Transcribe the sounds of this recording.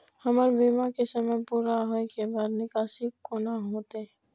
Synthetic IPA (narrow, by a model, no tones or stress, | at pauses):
həmaɾbiːmakesəməjpuːɾaɦoekebaːd̪nɪkaːsɪkːonaɦoːt̪eɛ